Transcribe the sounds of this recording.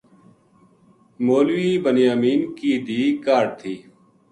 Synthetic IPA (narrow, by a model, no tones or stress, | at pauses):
moːlʋiːbənjaːmiːnkiːd̪iːkaːɖ̚t̪ʰiː